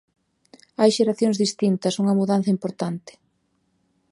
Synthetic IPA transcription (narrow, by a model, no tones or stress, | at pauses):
ajʃeɾaθjoŋzðist̪int̪ɐsuŋɐmuðan̟θɐimpoɾt̪ant̪ɪ̥